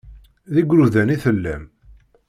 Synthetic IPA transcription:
ðiɡʷɾuðæniθəlːæm

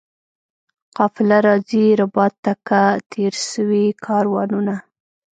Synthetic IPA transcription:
qɑfɪlaɾɑziɾʊbɑt̪ːakat̪ʰeɾʃəwikʰɑɾwɑnuna

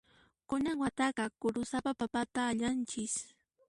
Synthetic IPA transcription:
kʊnaŋwat̪ɑɢɑkʊɾʊsapapapat̪aːʎant͡ʃɪs

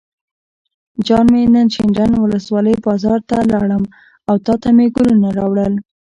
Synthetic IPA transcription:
d͡ʒɑnmenənʃɪɳɾanwʊləswɑləjbɑzɑɾt̪alɑɽəm | awt̪ɑt̪ameɡʊlunaɾɑwɽəl

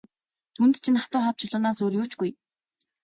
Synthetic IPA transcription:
t̪ʰunt̪t͡ɕʰĭnat̪ʊːχɔw̚t͡ɕʰʊɮʊːnaːsoːrjuːt͡ɕɡuj

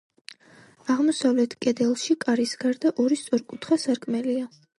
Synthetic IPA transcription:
aʁmɔsavlɛt̪ʰkʼɛd̪ɛlˠʃikʼaɾisɡaɾd̪aʔɔɾist̪sʼɔɾkʼut̪ʰχasaɾkʼmɛlia

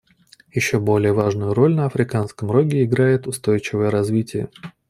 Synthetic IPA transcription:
jɪɕːobo̞lʲɪjəvaʐnʊjʊɾo̞lʲnəɐfɾʲɪkanskəmɾo̞ɡʲɪɪɡɾajɪt̪ʊst̪o̞jt͡ɕɪvəjəɾɐzvʲitʲɪjə̰

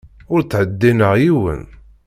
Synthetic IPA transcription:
ʊɾt͡sːʕəd̪ːinəʁjiwə̰n

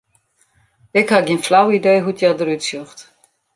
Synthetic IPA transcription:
ɪkhaɡiənflawideːɦutʰjadəɾytsøχt

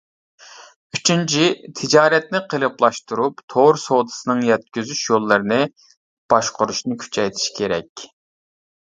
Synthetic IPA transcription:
yt͡ʃʰynt͡ʃʰit̪ʰɪd͡ʒɑːɾɛt̪̚nɪqʰəlˠɨplˠɑʃt̪uɾupt̪ʰoɾsod̪ɨ̥sɨnɨŋjɛt̪̚kʲyzyʃjolˠːɨɾɨnɨ | b̥ɑʃqʊɾuʃnɨkʲʰy̥t͡ʃʰɛjt̪ʰi̥ʃi̥kʲʰeɾɛkʲ

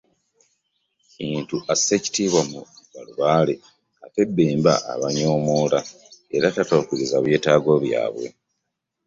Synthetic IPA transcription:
iːntuʔaseci̥tiːβwamuβaluβaːle | kate̞bːeːmba̰ʔa̰βaɲoːmoːla | eɾatatoːkiɾizaβje̞ːtaːɡo̞βja̰ːβwe̞̰

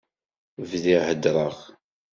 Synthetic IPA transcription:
vðihəd̪ɾˤəʁ

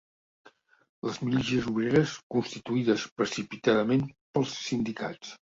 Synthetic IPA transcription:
ləzmilisiəzuβ̞ɾeɾəskunst̪it̪uiðəspɾəsipit̪aðəmenpəlˠsːind̪ika̰t͡s

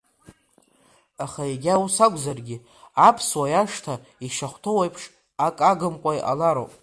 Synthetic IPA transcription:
aχaeɡʲausakʷʼzarɡʲɪ | apʰswajaʂtʰa | iʃaχʷtʰowejpʰʂ | akʼaɡɨmkʷʼajʔa̰laɾo̰pʼ

